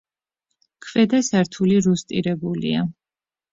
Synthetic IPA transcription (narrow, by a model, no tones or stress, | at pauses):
kʰvɛd̪asaɾt̪ʰuliɾust̪ʼiɾɛbulḭa